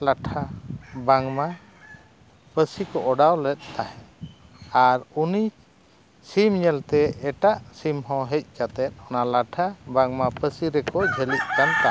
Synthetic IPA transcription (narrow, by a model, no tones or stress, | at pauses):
laʈʰabaŋma | pəsikɔʔɔɖawlɛt̪̚t̪ahɛ | aɾuni | simɲɛlt̪ɛɛʈaʔsimɦɔ̃ɦɛc̚ˀkat̪ɛt̪̚ˀɔnalaʈʰabaŋmapəsiɾɛkɔd͡ʒʱəlic̪̚kant̪aʔ